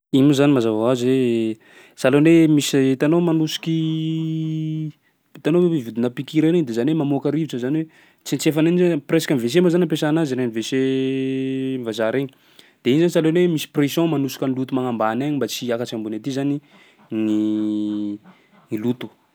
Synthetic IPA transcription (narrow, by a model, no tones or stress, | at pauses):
imuzanimazavaaze | salonemiset̪anomanusi̥ki | t̪anoivid̪inapikiɾaniɲd̪ezanwemamokaɾiviʈ͡ʂəzanwe | t͡sint͡sefananizapresḁkanives̬embazanampesanaziɾenivese | vazaɾeɲi | d̪̥einizanisalonemisi̥presjõmanusi̥kʲənilut̪umaŋambanaɲimbat͡siakat͡ʃiambunat̪izani | ni | nilut̪u̥